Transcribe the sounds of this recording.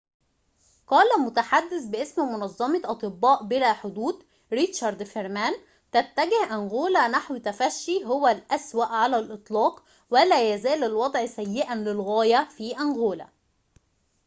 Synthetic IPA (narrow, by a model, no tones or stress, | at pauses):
qɑːlæmʊt̪aħad̪ːɪθbɪʔesmmʊnɑzˤːɑmɑʔɑt̪ˤɨbːɑːʔbɪɾæːħod̪uːd̪ | ɾit̪ʃɑɾˤd̪feɾmæːn | t̪æt̪ːæɡɪhʔænɣoːlænaħwt̪æfæʃːiɦowælʔæswæʔʕalælʔɨt̪ˤlɑːq | wælæːjæzæːlɪlwɑd̪ˤʕsæjːɪʔænlɪlɣæːjæfiːʔænɣoːlæ̰